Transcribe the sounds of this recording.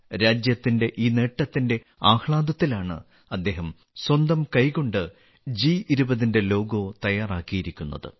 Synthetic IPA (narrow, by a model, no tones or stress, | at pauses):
ɾaːd͡ʑjɐt̪ːinde̞ʔiːne̞ːʈːɐt̪ːinde̞ | aːxɭaːd̪ɐt̪ːilaːɳɨ̰ | ɐd̪ːe̞ːɦɐm | swɐnd̪ɐmkɐjko̞ɳɖɨ | d͡ʑiiɾubɐðinde̞lo̞ːɡo̞ːt̪ɐjaːraːkːijiɾikʲːunːɐ̰ðɨ̰